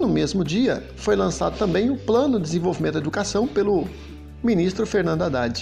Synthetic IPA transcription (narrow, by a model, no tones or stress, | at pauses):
nʊmezmʊd͡ʒiɐ | fojlɐ̃sa̰d̪ʊt̪ɐ̃mbẽj̃ʊplɐ̃nʊd̪ɪzẽvowvimẽt̪d̪ed̪ukasɐ̃w̃pelʊ | mĩnist̪ɾʊfeɾnɐ̃nd̪ʊad̪ad͡ʒɪ̥